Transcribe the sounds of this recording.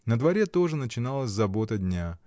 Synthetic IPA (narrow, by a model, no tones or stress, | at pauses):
nəd̪vɐɾʲet̪o̞ʐɨnət͡ɕɪnalˠəsʲzɐbot̪ədʲnʲa